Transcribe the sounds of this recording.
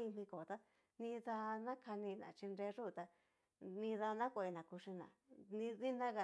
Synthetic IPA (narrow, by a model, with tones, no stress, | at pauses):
i˧m̥ĩ˧ko˨t̪a˦ | nĩ˧ða˧nã˦kʰa˧nĩ˧nã̰˨t͡ʃi˧nɾe˧˦˧ʐu˦˧˨t̪a˧ | nĩ˧ða˧nã˦kʷa˧i˧nã˨ku˧ʂi˧nã̰˨nĩ˧ði˦nã˦ɣa˧